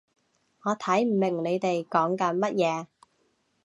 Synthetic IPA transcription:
ŋɔː˨˧t̪ʰɐ˨˥jm̩˨˩mɪ˨˩ŋle˨˧jt̪e˨jkɔː˨˥ŋkɐ˨˧nmɐ˥t̚jɛː˨˧

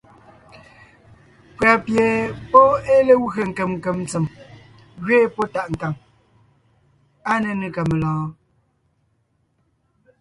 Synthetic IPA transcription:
pɰa˨pje˨pɔ˦e˦le˦wɣə˨ŋ̩˨kə˨mŋ˨kə˨mn˦t͡se˨m | ɣɥeː˦po˦ta˦˨ʔŋ̩˨ka˨ŋ | a˦nə˨nə˨ka˨mə˨lɔ̃ː˨˦

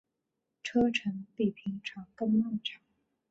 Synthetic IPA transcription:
ʈ͡ʂʰɤ˥ʈ͡ʂʰə˧˥npi˨˩pʰi˧˥ŋʈ͡ʂʰɑ˨˥˩ŋkɤ˥˧ŋlɑ˥˩ŋʈ͡ʂʰɑ˨˩˦

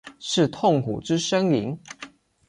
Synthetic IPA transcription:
ʂɻ̩˥˨t̪ʰo˥˩ŋkṵ˨˩ʈ͡ʂɻ̩˦ʂə˥ŋli˧˥ŋ

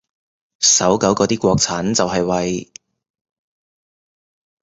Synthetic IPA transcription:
sɐ˨˥wkɐ˨˥wkɔː˨˧t̪iː˥kʷɔː˧k̚t͡sʰaː˨˥nt͡sɐ˨whɐ˨jwɐ˨j

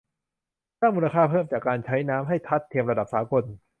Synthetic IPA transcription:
saː˥˩muː˧la˧kʰaː˥˩pʰɤː˥˩mt͡ɕaː˨˩kːaː˧nt͡ɕʰa˦˥jnaː˦˥mɦa˥˩jt̪ʰa˦˥t̪ʰːeː˧əmɾa˧da˨˩p̚saː˩˦ko˧n

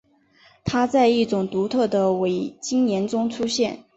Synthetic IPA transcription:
t̪ʰa˥t͡sa˥˧ɪi˥˩ʈ͡ʂʊ˨˩ŋt̪u˧˥t̪ʰɤ˥˩d̪ə˩we˨˩ɪt͡ɕi˥ŋnjɛ˧˥nʈ͡ʂʊ˥ŋʈ͡ʂʰu˥ɕjɛ˥˩n

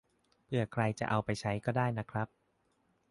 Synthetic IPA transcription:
pʰɯ˥˩ɐkʰɾa˧jt͡ɕa̰˨˩ʔa˧wpa˧jt͡ɕʰa˦˥jkɔː˥˩daː˥˩jna˦˥kʰɾa˦˥p̚

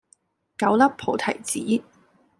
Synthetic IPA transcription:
kɐ˨˥wlɐ˥p̚pʰo˨˥wt̪ʰɐ˨˩jt͡siː˨˥

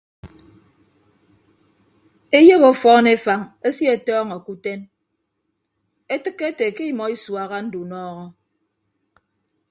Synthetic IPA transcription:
e˦je˦bo˦fɔ˦ne˦fa˨ŋe˦si˦e˨tɔː˦ŋa˨ku˦te˦n | e˦tɨ˦kːe˦te˨ke˦i˦mɔ˨i˦swa˨ɣa˦n̩˦du˨nɔː˦ɣɔ˦

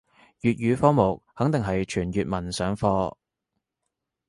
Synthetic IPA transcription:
jyː˨t̚jyː˨˧fɔː˥mo˨˩k̚hɐ˨˥ŋt̪ɪ˨ŋɦɐ˨jt͡ʃʰyː˨˩njyː˨t̚mɐ˨˩nsœː˨˧ŋfɔː˧

